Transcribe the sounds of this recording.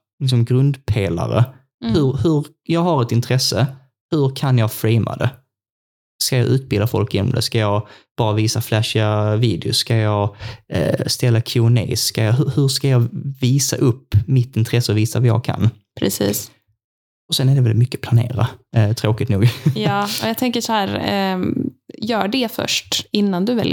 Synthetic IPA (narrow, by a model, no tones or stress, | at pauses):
lɪksɔmɡɾɵnd̪pʰeːla̰ɾə̰ | hɵɾhɵɾ | jɑːɡhaɾɛt̪ɪnt̪ʰɾɛsːə | hɵɾkʰanjɑːɡfɾɛɪmʔa̰d̪ɛ | skajɑːʔʉ̟ːt̪̚bɪld̪afɔ̰lkɪnːɔ̰md̪ɛ̰skajɑːɡb̥ɑːɾaviːsaflæʂaviːd̪ɪʊskajɑː | st̪ɛlːakʰɪʊnḛːskajɑɦɵhɵʂkajɑːviːsa̰ʔɵpːmɪt̪ːɪnt̪ʰɾɛsːəɔviːsavajɑ̰ːɡ̚kʰa̰npʰɾɛsḭːs | ɔsɛnæɖɛvɛlmʏkːəpʰlanḛːɾat̪ʰɾoːkɪt̪nṵːɡjɑːɔjɑt̪ʰɛŋkəʂɔhæːɾ | jœːɖɛfœ̰ʂʈɪnːand̪ɵvɛljə